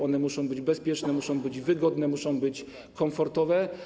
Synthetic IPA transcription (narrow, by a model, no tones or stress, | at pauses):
ɔnɛmuʂɔ̃w̃bɘd͡ʑbɛspʲjɛt͡ʂnɛmuʂɔ̃w̃bɘd͡ʑvɘɡɔd̪nɛmuʂɔ̃w̃bɘt͡ɕ | kɔmfɔɾt̪ɔvɛ